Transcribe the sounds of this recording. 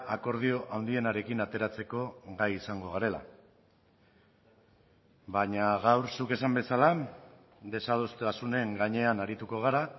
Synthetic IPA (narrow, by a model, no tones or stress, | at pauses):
ako̞ɾð̞io̞ʔawnd̪ie̞naɾe̞kinat̪e̞ɾat͡se̞ko̞ɣajisaŋɡo̞ɣaɾe̞la̰ | βaɲaɣawɾsuke̞sambe̞sala | d̪e̞sað̞ust̪asune̞ŋɡaɲe̞anaɾit̪uko̞ɣ̞aɾa